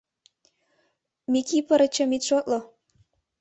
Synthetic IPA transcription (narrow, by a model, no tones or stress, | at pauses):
mikipəɾət͡ɕəmit̪ʃot̪̚lo